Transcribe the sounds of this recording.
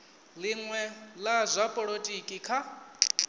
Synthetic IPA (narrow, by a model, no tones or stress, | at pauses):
liŋwɛlazʷapʼɔɺotʼikʼikʰa